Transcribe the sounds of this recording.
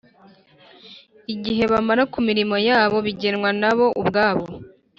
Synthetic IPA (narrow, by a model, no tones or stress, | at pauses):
iɟiɦe̞βamaɾakumiɾimo̞jaːβo̞βiɟe̞nŋwanaβo̞ʔubɡaːβo̞